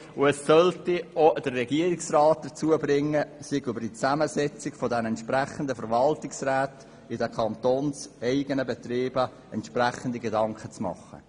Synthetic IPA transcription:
ʊɛsːœltiod̥ərːɛɡiəɾɪksrɑːt̚d̪̥ət͡suəbrɪŋːəsɪɡybəɾdit͡sæməsɛt͡sɪkfɔdɛnɛntʃpræχəndəfəɾvɑltɪksræːt | ɪdɛkʰɑnt̪oːnsɛɪɡ̥ənəbɛt̪reːbə | ɛntʃpræχəndiɡedɑŋkχət͡smɑ̰χːə̰

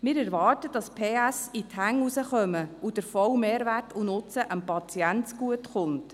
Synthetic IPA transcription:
mɪːɾɛɾʋɑːrtəd̥ɑspʰeːæsithæŋusəχœməud̥əɾfɔwmeːɾʋærtunʊt͡səʔəmpɑt͡siɛnt͡sɡ̥uətχʊnt

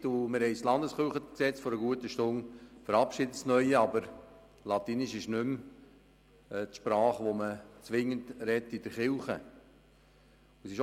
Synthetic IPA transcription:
tumɪɾhɛɪslɑnd̪əsχɪlχəksɛt͡sfɔɾəɡuət̪əʃtʊŋfəɾɑpʃɪdətsnœʏəɑbəɾ | lɑt̪iːnɪʃɪʃnʏm | t̪ʃpɾɑːχʋomət͡sʋɪŋːəntɾɛt̪ːid̥əɾχɪlχə | uəsɪʃ

